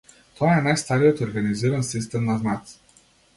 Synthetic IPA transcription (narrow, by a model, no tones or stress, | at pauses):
t̪ʰɔaɛnajst̪aɾijɔt̪oɾɡaniziɾansis̬t̪ɛmnaznat̪s